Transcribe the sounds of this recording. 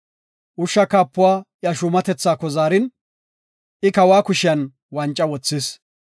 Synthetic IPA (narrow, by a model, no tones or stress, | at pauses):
ʔʊʃːɐkaːpːʊwaːjɐʃʊmɐt̪ɛt͡sːaːkːɔzaːɾɪn | ʔɪkɐwaːkʊʃɪjɐn | wɐnt͡ʃʼːɐwɔt͡sːɪs